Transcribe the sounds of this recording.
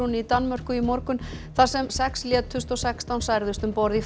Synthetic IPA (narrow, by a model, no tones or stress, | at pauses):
unit̪anːmœr̥kʏimɔɾkʏnθasɛmsɛksljɛːt̪ʰːʏst̪ɔsɛkst̪awnsajɾðʏst̪ʏmpɔɾði